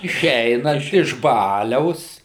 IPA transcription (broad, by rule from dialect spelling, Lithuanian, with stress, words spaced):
ɪˈʃʲɛɪnɐnt ɪʃ ˈbɑːlʲɛʊs